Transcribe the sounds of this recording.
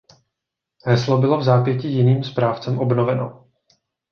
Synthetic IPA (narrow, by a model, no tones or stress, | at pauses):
ɦɛslobɪlo̞vzaːpjɛcijɪniːmspɾaːft͡sɛmʔo̞bno̞vɛno̰